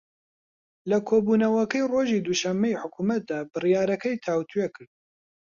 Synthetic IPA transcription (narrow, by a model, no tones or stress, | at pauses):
lɐkʰoːbuːnɐwɐkɐjroːʒiːd̪uʃɐmːejiħʊkʰuːmɐt̪̚d̪aːbɨrijɑːɾɐkɐjt̪ʰaːwt̪ʰujekʰɨɾd̪̥̚